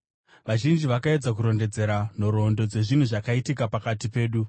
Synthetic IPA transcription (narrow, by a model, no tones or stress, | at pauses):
ʋaʒind͡ʒiʋakae̞d͡zakuɾo̞nde̞d͡ze̞ɾan̤o̞ɾo̞ndo̞d͡ze̞ʐin̤uʐakaitikapakatipe̞ːɗu